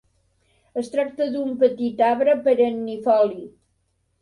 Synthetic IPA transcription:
əst̪ɾak̚t̪əðumpət̪it̪aβɾəpəɾənːifɔli

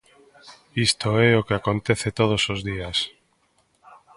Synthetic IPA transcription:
ist̪oɛokeakont̪ɛθet̪oð̞osozðias

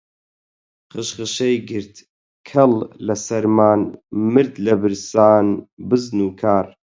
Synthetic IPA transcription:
χɨʃχɨʃejɡɨɾt̪ | kʰɐllɐsɐɾmaːnmɨɾd̪lɐbɨɾsaːnbɨznuːkʰaːɾ

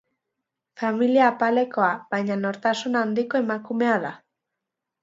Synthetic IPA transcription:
familiaːpale̞koaβajɲanoɾt̪asunand̪ikoe̞makume̞aða

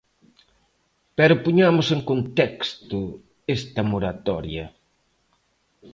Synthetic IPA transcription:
pɛɾʊpoɲamʊseŋkont̪ɛkst̪ʊ | est̪ɐmoɾat̪ɔɾjɐ

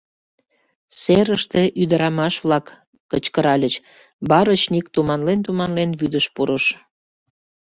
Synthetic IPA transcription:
seɾəʃt̪eʔyd̪əɾɑmɑʃβlɑkː | ət͡ɕkəɾɑlʲət͡ɕ | bɑɾət͡ɕnik̚t̪umɑnlent̪umɑnlenβyd̪əʃpuɾəʃ

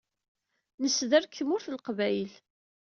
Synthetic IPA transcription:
nəsːðæɾkʰːəmʊɾθəlqvæjl

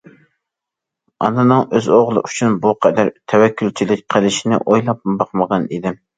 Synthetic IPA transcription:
ɑ̰nɨnɨŋøzoʁlˠɨ̰ʔyt͡ʃʰynbuqʰɛd̪æɾt̪ʰɛwɛkʲʰːylt͡ʃʰilɪk̚ʲqʰəlˠɪʃinɪ̰ʔojlˠɑp̚bɑqməʁɑnid̪ɪm

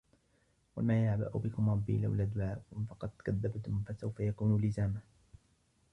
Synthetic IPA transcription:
wa̰maːjaʕba̰ʔʊ̰bɪkʊmɾˤɑbːḭla̰wlaːd̪ʊʕaːkʊmfɑqɑd̪̥kaðːabt̪ʊmfasawfajakuːnuːlɪzaːma

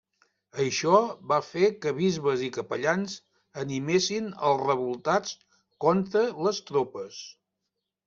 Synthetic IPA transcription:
əʃɔβafekəβizβəzikəpəʎanz | ənimesinə̰lˠzrəβulˠt̪at͡s | kɔnt̪ɾələst̪ɾopəs

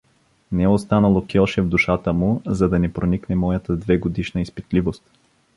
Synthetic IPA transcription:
nɛɛost̪anəlˠokiɔʃɛvd̪uʃat̪əmuzɐd̪ɐnɛpɾoniknɛmɔjət̪əd̪vɛɡod̪iʃnəispit̪livost̪

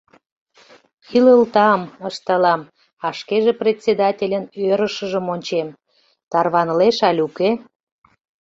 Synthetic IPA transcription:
iləlt̪ɑməʃt̪ɑlɑm | ɑʃkeʒeprʲet̪ʲt͡sʲed̪ɑtʲelʲənøɾəʃəʒə̆monʲt͡ɕem | t̪ɑrβɑnəleʃɑlʲuke

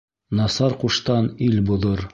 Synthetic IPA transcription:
nɑsɑɾquʃt̪ɑnilbŏðɤɾ

